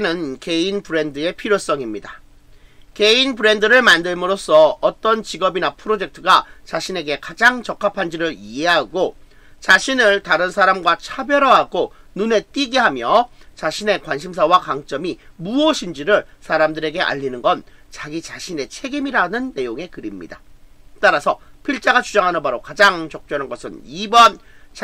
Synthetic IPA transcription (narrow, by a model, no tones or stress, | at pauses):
nɯnke̞inpɯɾe̞ndɯe̞pʰiɾjos͈ʌŋimɲida | ke̞inpɯɾe̞ndɯɾɯɭmandɯɭmɯɾos͈ʰʌːt͈ʌnt͡ɕiɡʌbinapʰɯɾod͡ʑe̞k̚tʰɯɡat͡ɕaɕʰine̞ɡe̞kad͡ʑaŋt͡ɕʌkʰapʰand͡ʑiɾɯɾieɦaɡo | t͡ɕaɕʰinɯɭtaɾɯnsʰaɾamɡwat͡ɕʰabjʌɾʌɦaɡonune̞t͈iɡiɦamjʌt͡ɕaɕʰine̞kwanɕʰims̬ʰawakaŋt͡ɕ͈ʌmimuʌɕʰind͡ʑiɾɯɭsʰaɾamdɯɾe̞ɡe̞ʔa̰ʎːinɯnɡʌnt͡ɕaɡit͡ɕaɕʰine̞t͡ɕʰe̞ɡimiɾanɯnːe̞joŋe̞kɯɾimɲḭdat͈aɾasʰʌpʰiɭt͡ɕ͈aɡat͡ɕud͡ʑaŋɦanɯnbaɾokad͡ʑaŋt͡ɕʌk̚t͡ɕ͈ʌnɯnɡʌsʰɯnibʌnt͡ɕ